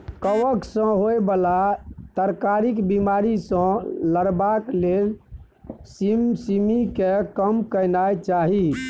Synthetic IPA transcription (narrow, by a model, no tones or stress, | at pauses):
kəʋəksə̃ɦoebəlat̪əɾkaɾikbimaɾisə̃ləɾbaklel | simsimikekəmkəjnajt͡ʃaɦi